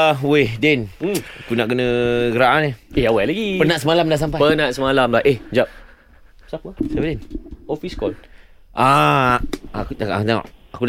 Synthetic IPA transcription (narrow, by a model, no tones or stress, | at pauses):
wedɛn̩akunaʔkənə̃ɡəɾaʔanehehawajlaɡipənaʔsəmalamdaʔs̬ampajpənaʔ̚səmalamlaʔehd͡ʒap̚ | sap̚əsabadɛnofiskɔ̰l | ʔa | kutakaʔa̰kt̪a̰ʔaku